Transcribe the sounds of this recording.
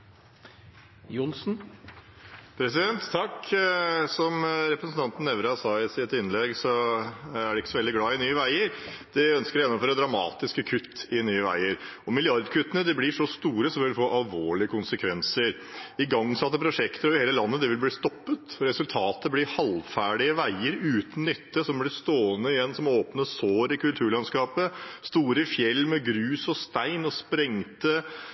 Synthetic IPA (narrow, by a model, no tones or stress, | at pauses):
jʊnsn̩ | pʰɾɛsɪd̪ɛnt̪t̪ʰːɑk | sɔmɾɛpɾəsn̩t̪ʰɑnt̪n̩ɛʋɾɑsɑːɪsɪt̪ɪnːlɛɡsɔ | æɖɛɪkːə̥sɔʋɛld̪ɪɡlɑːɪnyːəʋæɪəɾ | d̪̥ɪœnskəɾjɛnːɔmføːɾəd̪ɾɑmɑ̰ːt̪ɪskəkʰʉt̪ːɪnyːəʋæ̰ɪəɾɔmɪlɪɑɾd̪kʰʉt̪ːənəd̪ɪblɪʂɔst̪uːɾəsɔmʋɪlfoːʔɑlʋoːɭɪəkʰʊnsəkʰʋɛnsəɾ | ɪɡɑŋsɑt̪ːəpʰɾʊʂɛkt̪əɾɔʋɪheːləlɑnːəd̪ɛʋɪlbliːst̪ɔpːət̪ɾɛsʉlt̪ʰɑːt̪əblɪɾhɑlfæːɖɪəʋæɪəɾʉːt̪n̩nʏt̪ːəsɔmblɪst̪oːənəɪjɛnːsɔmoːpnəsoːɾɪkʉlt̪ʰʉːɭɑnskɑːpəst̪uːɾəfjɛlːmɛɡɾʉːsɔst̪æɪnɔspɾɛŋt̪ə